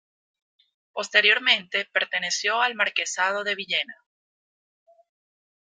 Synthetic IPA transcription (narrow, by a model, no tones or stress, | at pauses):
po̞st̪e̞ɾjo̞ɾmẽ̞nt̪e̞pe̞ɾt̪e̞ne̞sjo̞almaɾke̞sað̞o̞ðe̞βiʝe̞na